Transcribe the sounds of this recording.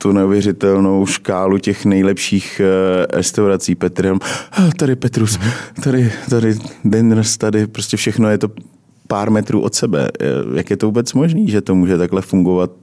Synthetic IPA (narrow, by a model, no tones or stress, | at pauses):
t̪unɛuvjɛrɪt̪ɛlno̞wʃkaːlucɛxnɛjlɛpʃiːxɾɛ̰st̪awɾat͡siːpɛt̪ɾɪamat̪adɪpɛt̪ɾust̪adɪt̪adɪdɛnɾ̩st̪adɪpɾoscɛfʃɛxno̞jɛt̪o̞ | paːɾmɛt̪ɾṵːʔot̪sɛbɛ̰jʔa̰kjɛt̪ovuːbɛt͡smo̞ʒniːʒɛt̪o̞muːʒɛt̪aklɛfuŋɡo̞vat̪̚